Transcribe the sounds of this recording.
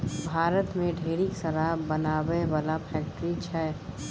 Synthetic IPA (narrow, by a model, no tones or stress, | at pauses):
bʱaːɾət̪mẽɖʱeːɾiksəɾabənaːweʋaːlapʰɛːk̚ʈɾit͡ʃʰɛː